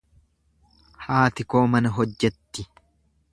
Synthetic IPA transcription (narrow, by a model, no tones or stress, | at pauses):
haːt̪ɪko̞ːmɐnɐɦɔd͡ʒːɛt̪ːɪ